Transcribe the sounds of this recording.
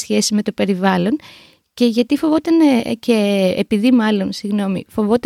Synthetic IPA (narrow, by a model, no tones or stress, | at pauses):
sçe̞sizme̞t̪o̞pe̞ɾivɐlo̞n | ce̞ʝɐt̪ifo̞vo̞t̪ɐneceːpiðimɐlo̞nsiɣno̞mḭfo̞vot̪